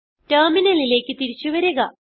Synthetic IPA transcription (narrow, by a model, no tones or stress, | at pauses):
tɐrminɐlile̞ːkːɨt̪iɾit͡ɕːuʋɐɾuɣɐ